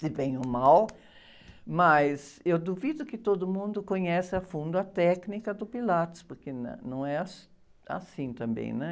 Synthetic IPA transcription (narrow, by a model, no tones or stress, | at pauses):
sɪvẽj̃ʊmaw | mɐsewd̪uvid̪ʊkɪt̪od̪ʊmũnd̪ʊkoɲɛsɪafũnd̪ʊɐt̪ɛknikɐd̪ʊpilat̪ʊ̥spoɾkenɐ̰̃nɐ̃w̃ɛas | a̰sĩt̪ɐ̃mbḛ̃j̃nɛ